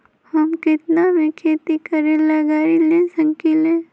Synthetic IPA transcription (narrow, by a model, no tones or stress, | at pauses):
hɐmkɪt̪namẽkʰeːt̪ikəɾẽlaɡaːɾilẽsə̃ŋkilẽː